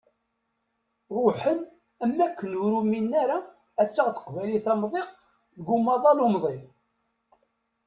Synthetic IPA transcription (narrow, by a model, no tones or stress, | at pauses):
ɾˤʊħən | æmːækːənuɾuminːaɾa | æt͡sːəʁt̪ə̥qvæjliθɑmðˤeq | ðəɡumːɑðˤɑlumðˤim